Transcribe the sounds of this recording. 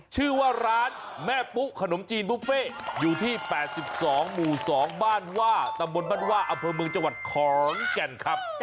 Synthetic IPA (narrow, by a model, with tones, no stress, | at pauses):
t͡ɕʰɯː˥˩waː˥˩ɾaː˦˥n | mɛː˥˩pu˦˥ʔkʰa˧no˩˦mt͡ɕiː˧npʰu˦˥feː˥˩juː˨˩t̪ʰiː˥˩pɛː˨˩t̪̚si˨˩p̚sɔː˩˦ŋmuː˨˩sɔː˩˦ŋbaː˥˩nwaː˥˩t̪a˧mbo˧nbaː˥˩nwaː˥˩ʔa˧mpʰɤː˧mɯ˧ə˧ŋt͡ɕa˧ŋwa˨˩t̪̚kʰɔː˨˦ŋkɛ˧nkʰa˦˥p̚